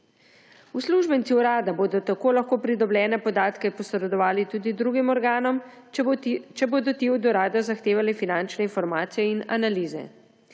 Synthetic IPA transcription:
usluʒbənt̪siuɾaːd̪aboːd̪ɔt̪akoːlaxkoːpɾid̪ɔbljɛːnɛpɔd̪aːt̪kɛpɔsɾɾɛd̪ɔʋaːlit̪uːd̪id̪ɾuːɡimɔɾɡaːnɔm | t͡ʃɛboːd̪ɔt̪iɔd̪ɔɾaːd̪ɔzaxt̪eːʋalifinant͡ʃnɛinfɔɾmaːt̪sijɛina̰naliːzɛ̰

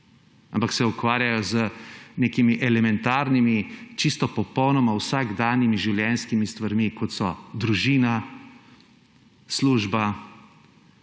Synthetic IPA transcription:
ampaksɛukʋaːɾjajɔzəneːkimiʔɛlɛmɛnt̪aːɾnimit͡ʃist̪ɔpɔpɔwnɔmawsaɡd̪aːnimiʒiwljɛnskimist̪ʋaɾmikɔt̪sɔd̪ɾuʒiːna | sluːʒba

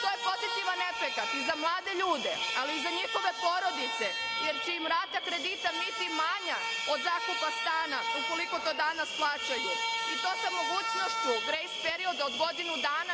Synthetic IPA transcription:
t̪o̞jepo̞zit̪iʋanːe̞pɾekat̪izamlˠaːd̪eʎuːd̪e̞aliːzaɲixo̞ʋe̞po̞ːɾo̞d̪it̪se̞ | jeɾt͡ʃeimɾaːt̪akɾe̞d̪it̪amit̪imaɲa | o̞d̪zakupast̪aːnauko̞liko̞t̪o̞ːd̪anasplˠaːt͡ʃajuit̪o̞ːsamo̞ɡuːt͡ʃno̞ʃt͡ɕuɡɾejspeɾio̞d̪aod̪ɡo̞d̪inud̪aːna

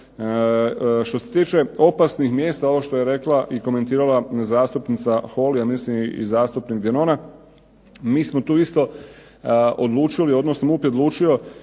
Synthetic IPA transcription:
ʃt̪o̞se̞t̪iːt͡ʃe̞o̞pasnixmjeːst̪aoʋoʃt̪o̞jeɾe̞klaʔiko̞me̞nt̪iːɾalazaːst̪upnit̪saxo̞liamislimḭzaːst̪upnikd̪jenoːna | miːsmo̞t̪uːist̪o̞ | od̪lˠuːt͡ʃilio̞d̪nosnomupjet̪lˠuːt͡ʃio̞

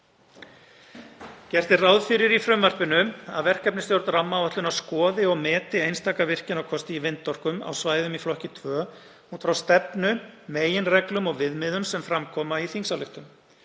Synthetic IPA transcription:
cɛr̥t̪ɪrawðfɪɾɪɾifɾʏmvar̥pɪnʏa̰ðvɛr̥kɛpnɪst̪jowɾt̪ramːawœht̪lʏnawskɔːðɪɔɣmɛːt̪ɪejnst̪ʰaːkavɪr̥cɪnawkʰɔst̪ɪivɪnt̪ːɔr̥kʏma̰wsvaːjðʏmiflɔhcɪt̪ʰvœː | uːt̪fɾawst̪ɛpnʏmeːjɪnrɛklʏmɔɣvɪðmɪðʏmsɛmfɾamkʰɔːmaiθiŋsalʏht̪ʏm

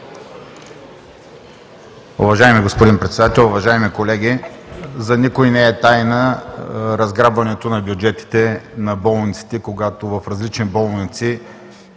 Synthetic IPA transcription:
ʊ̰vɐʒajmiɡospod̪inpɾɛt̪sɛd̪at̪ɛlˠʊvɐʒajmikolɛɡʲizɐnikojnɛɛt̪ajnə | ɾɐzɡɾabvɐnɛt̪onɐbjʊd͡ʒɛt̪i̥t̪ɛnɐbɔlˠnit̪si̥t̪ɛkoɡat̪ovɐfɾɐzlit͡ʃnibɔlˠnit̪si

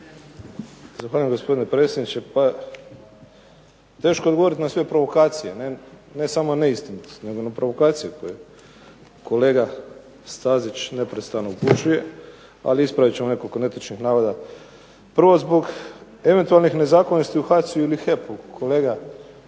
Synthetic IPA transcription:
zaxʋaːʎujemɡo̞spo̞d̪inepɾet̪sʲjed̪nit͡ʃe̞pa | t̪e̞ːʃkod̪ɡoo̞ɾit̪nasʋe̞pɾo̞ʋo̞kaːt̪sije̞nene̞samone̞ist̪int̪ne̞ɡonapɾo̞ʋo̞kaːt̪sijeko̞je | ko̞le̞ːɡa | st̪aːzit͡ʃne̞pɾe̞t̪st̪anouput͡ʃuje̞ | a̰liispɾaʋit͡ɕe̞mone̞ko̞likone̞t̪at͡ʃnixnaːʋod̪a | pr̩ʋo̞zbo̞ɡ | e̞ʋe̞nt̪ualnixne̞zaːkonost̪iuxat̪siuilixepukʰole̞ːɡa

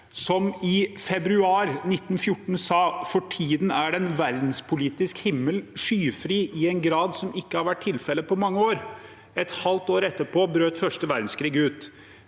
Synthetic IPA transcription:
sɔmɪfɛbɾʉɑːɾnɪt̪ːn̩fjʊʈːɳ̩sɑːfɔʈʰiːd̪n̩æɖɛnʋæɾd̪n̩spʰʊliːt̪ɪskhɪmːəlʂyːfɾiːʔɪɛnɡɾɑːd̪sɔmɪkːəhɑɾʋæʈ̚ʰːɪlfɛlːəpɔmɑŋːəoːɾ | ɛt̪hɑlt̪oːɾɛt̪ːəpʰoːbɾøːt̪fœʂʈəʋæɾd̪n̩skʰɾiːɡəʉːt̪

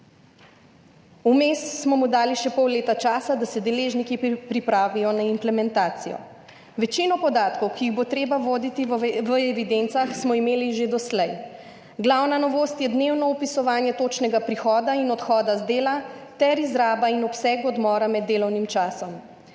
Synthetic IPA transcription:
umeːssmɔmud̪aːliʃɛpɔwleːt̪at͡ʃaːsad̪asɛd̪ɛleːʒnikipɾipɾaːʋijɔnaimplɛmɛnt̪aːt̪sijɔ̰ | ʋɛt͡ʃinɔpɔd̪aːt̪kɔwkiiɣbot̪ɾeːbaʋod̪it̪iʋəɛʋid̪ent̪saxsmɔimeːliʒed̪ɔslɛj | ɡlawnanɔʋoːst̪jɛd̪neːwnɔɔpisɔʋaːnjɛt̪ot͡ʃnɛɡapɾixɔːd̪ainɔt̪xɔːd̪azd̪eːlat̪ɛɾizɾaːbainɔpsɛːɡɔd̪mɔːɾamɛd̪ːeːlɔwnimt͡ʃaːsɔm

